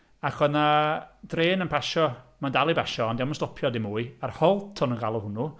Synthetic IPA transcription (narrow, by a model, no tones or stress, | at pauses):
aχɔnad̥reːnənpʰaʃɔmandalˠibaʃɔɔndɛwmɔnstɔpʰjɔdɪmuːɨarhɔlˠtʰɔnənɡalˠɔhʊnu